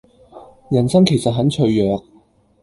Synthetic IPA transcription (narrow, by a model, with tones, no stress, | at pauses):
jɐ˨˩nsɐ˥ŋkʰe˨˩jsɐ˨t̚ɦɐ˨˥nt͡ʃʰɵ˧jœː˨k̚